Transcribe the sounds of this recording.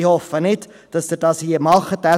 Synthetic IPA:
iɦɔfənit | d̥ɐsdərdɑsiːəmɑlˠχətæ

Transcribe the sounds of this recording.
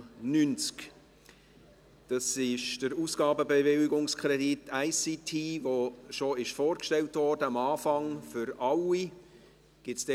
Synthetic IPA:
nynt͡sk | d̥ɑsɪʃd̥əɾuːsɡ̥ɑːbəbɛvɪlɪɡʊŋskʁɾɛditʰaɪsitʰiːvoʃoɪʃfoːɾkʃtɛltvɔːrdəɑmɑːfɑŋfʏɾɑli | ɡ̥ɪtsd̥ɛ

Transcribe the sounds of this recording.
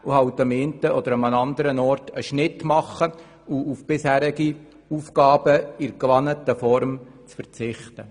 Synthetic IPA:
uhɑwt̪əmeːntəɔd̪əɾamənɑnd̪əɾənɔːɾtʰəʃnɪtmɑχːə | uufb̥ɪshæːɾɪɡi | uːfkɑːb̥əɪɾkʋɑnətəfɔɾmt͡sfəɾt͡sɪχtə

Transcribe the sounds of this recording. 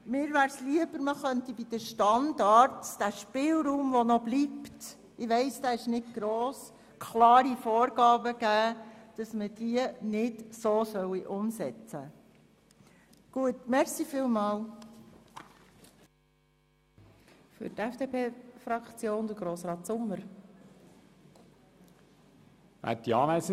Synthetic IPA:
mɪːɾʋæːɾsliəbəɾməχœntibid̥̪əʃtɑndɑːɾtd̥æʃpɪːlɾuːmʋɔnɔbliːpt | ɪʋɛɪsdæːɛʃnɪtɡ̥ɾoːs | kʰlɑːɾifoːɾɡɑːbəɡ̥æːd̥ɑsməd̥iənɪdsoːsœwiʔʊmsɛt͡sə | ɡ̥uətmɛɾsifiːlmɑːl | fʏ̰ɾtɛfd̥epʰeːfɾɑkt͡sjoːnd̪əɡɾoːsɾɑːtsʊmːəɾ | ʋæ̰tdiɑːmæsə

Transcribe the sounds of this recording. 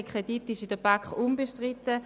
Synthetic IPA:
kʰʁeditːɪʃidəbakχumbeʃtʁitə

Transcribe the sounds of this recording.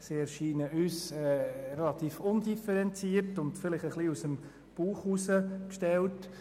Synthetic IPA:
siɛɾʃiːnəʔyːsɛɾɛlɑt̪iːfʊnd̥ifɛɾɛnt͡siːəɾtʊndfɪlɪχəχliusəm | b̥uːχusəkʃtɛlt

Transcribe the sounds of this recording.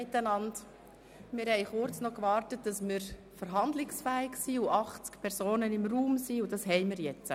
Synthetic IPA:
ɪt̪ːənɑnd | mɪɾhɛɪχʊɾt͡snɔkʋɑːɾtət̚d̥ɑsmɪɾ | fəɾɦɑnd̪lɪksfæːɪksiʊʔɑχt͡skpʰɛɾsoːnənɪmruːmsiʊd̥ɑsɦɛɪmɪːɾjɛt͡sə

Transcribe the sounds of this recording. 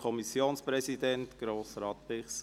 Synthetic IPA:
ɔmisjoːnspɾɛsidɛnt̪ɡ̥ɾoːsɾɑːt̪̚pɪχs

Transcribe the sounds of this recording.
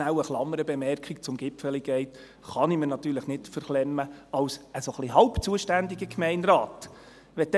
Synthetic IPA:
æwəχlɑmːəɾəbɛmɛrkʰik̚t͡sʊmɡɪpfəliɡ̥ɛɪt̪ | χɑnimənɑt̪ːyːɾləχnɪtfəɾχlɛmːəɑwsəsoχliɦɑʊpt͡suəʃtænd̪iɡəkmɛɪnɾaːt | ʋɛd̪

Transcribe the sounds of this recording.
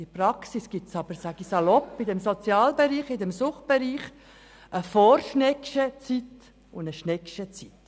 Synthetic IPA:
ɪpɾɑksisɡ̥ɪt͡sɑbəɾsæɡ̥isɑlɔpːɪdɛmsɔt͡sjɑːlbɛɾiːχɪd̪ɛmsʊχt̚b̥ɛɾiːχ | ʔəfoːrʃnɛkʃət͡sit̪ | ʊndəʃnɛkʃət͡sit̪

